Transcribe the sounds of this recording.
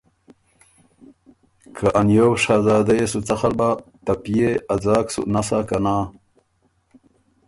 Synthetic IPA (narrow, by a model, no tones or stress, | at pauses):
kʰaʔanjowʂaːzɑːd̪ajesut͡saxalbat̪apijead͡zaːksṵnasakanaː